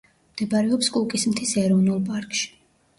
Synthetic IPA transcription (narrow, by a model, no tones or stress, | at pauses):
md̪̥ɛbaɾɛɔpskʼulˠkʼismt̪ʰisɛɾɔvnulˠpʼaɾkʼʃi̥